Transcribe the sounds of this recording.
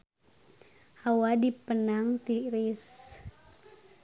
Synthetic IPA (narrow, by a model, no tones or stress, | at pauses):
hawadipənaŋt̪iɾis